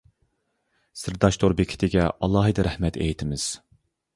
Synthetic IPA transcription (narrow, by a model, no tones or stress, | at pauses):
sɪɾd̪ɑʃt̪ʰoɾbekʲʰi̥t̪ʰɪɡʲɛʔɑlˠːɑɦɨd̪ɨɾɛhmɛt̪ʰḛjt̪ʰɪmɪz̥